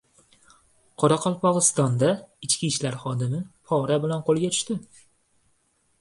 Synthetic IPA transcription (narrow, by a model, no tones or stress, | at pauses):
qʰɒɾaqʰɒlˠpɒʁɨst̪ɒnd̪aɪt͡ʃkʲiʃlaɾχɒd̪ɪmɪpʰɒɾabɪlanqʰolˠɡʲat̪ʰʊ̥ʃt̪ɪ